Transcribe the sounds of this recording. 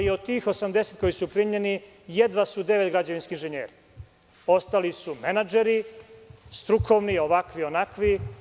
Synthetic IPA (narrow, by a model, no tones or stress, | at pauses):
od̪̚t̪ːiːxo̞samd̪e̞set̪ko̞jisupɾiɲeni | jed̪ʋasud̪e̞ʋet̪ɡɾad͡ʑaʋinskiinʒeɲḛːɾi | o̞st̪alisumenad͡ʒeɾi | st̪ɾukʰo̞ʋnio̞ʋakʋio̞nakʋi